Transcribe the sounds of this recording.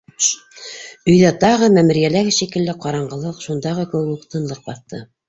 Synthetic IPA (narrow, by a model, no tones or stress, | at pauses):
ɵ̆jðæt̪ɑʁɤmæmɘ̆ɾjælæɡɘʃikɘ̆lːɘqɑɾɑɴɢɤ̆lˠɤqʃund̪ɑʁɤkɘ̆wɘkuqt̪ɤ̆nlˠɤq̚bɑθt̪ɤ